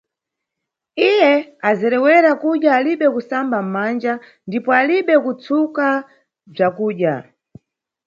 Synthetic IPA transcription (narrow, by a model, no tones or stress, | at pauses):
ijɛazɛɾɛwɛɾakuɗjaːliɓɛkusambam̩mand͡ʒa | ndipɔaliɓɛkut͡suka | b͡ʐakuːɗja